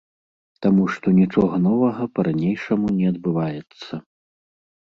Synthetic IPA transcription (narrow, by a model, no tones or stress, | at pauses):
t̪amuʂt̪ɔnʲit͡ʂɔɣɐnɔvɐɣɐpɐɾanʲejʂɐmunʲɛɐd̪̚bɨvajɛt̪sːɐ